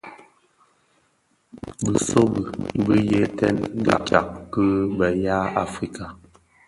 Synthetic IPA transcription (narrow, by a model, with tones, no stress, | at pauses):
bə˨so˦bə˨bə˦jɛ˦tɛ̰˦n˦ɡa̰˨ka̰˨kkə˦bə˨ja˦a˦fɾi˦ka˨